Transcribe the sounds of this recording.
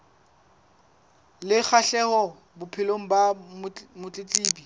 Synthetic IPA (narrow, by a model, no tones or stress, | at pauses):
lɪk͡xʰaɬɛhɔ | bʊpʰɪloŋ̩bamʊt͡ɬʼɪt͡ɬʼiːbi